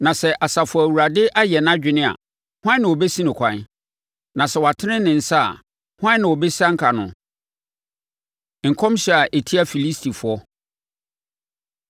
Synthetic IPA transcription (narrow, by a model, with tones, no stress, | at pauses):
nã˨sɛ˨ʔa˨sa˨fʊ˨ɔ˨æ˨wu˨ɾa˨dɪ˦ʔa˦jɛ˨nã˦d͡ʑᶣɪ˨nɪ̃˦a̰˨ | hʊ˦ã˦nɪ̃˨wɔ˨bɛ˦sĩ˦nɪ̃˨kʰʷã˨n˦ | nã˨sɛ˨wa˨tʰɪ˦nɪ̃˦nɪ̃˨n̩˨sa˦a̰˨ | hʊ˦ã˦nɪ̃˨wɔ˨bɛ˦si˦a˦ŋ̩˦kʰa˨nʊ̃˨ | ŋ̩˨kʰɔ̃˦mɕɛ˨a˨ʔe˨tʰi˦a˦˨fi˨li˦stʰi˨fʊ˨ɔ˦